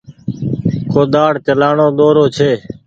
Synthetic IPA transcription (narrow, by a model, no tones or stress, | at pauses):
koːd̪aːɽt͡ʃəlaːɳoːd̪oːɾoːt͡ʃʰeː